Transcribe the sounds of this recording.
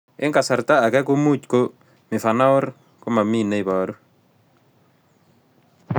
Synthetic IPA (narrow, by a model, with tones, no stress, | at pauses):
ɪ̰˦ŋka˨sa˨ɾt̪a˦a˨ɡɛ˦ko˦mu˦t͡ʃko˦ | mɪ˨fa˨na˦ʊ˦ɾ | ko˦ma˨mi˦˨ne˦i˨bɔ˨ɾo˦